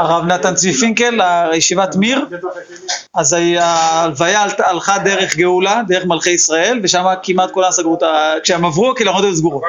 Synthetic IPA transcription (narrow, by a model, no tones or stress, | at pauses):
aʁavnat̪ant͡sifiŋkelajeʃivat̪miʁ | azaaːlvajaltalχad̪e̞ʁe̞χɡeulad̪ee̞χmalχe̞jisʁae̞lveʃamakimat̪̚kolasaɡʁot̪akʃeemavʁuakilamod̪ems̬ɡuʁot